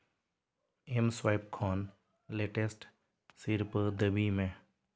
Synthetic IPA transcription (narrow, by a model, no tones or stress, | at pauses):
emswaɪpkʰɔːn | leːʈesʈ | sɪɾpd̪əbimẽː